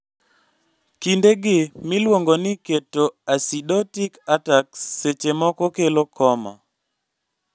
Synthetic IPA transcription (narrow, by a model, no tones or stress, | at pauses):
kindeɡɪmilwoŋɡonɪketoasidɔtikatakset͡ʃemɔkɔkelokʰɔma̰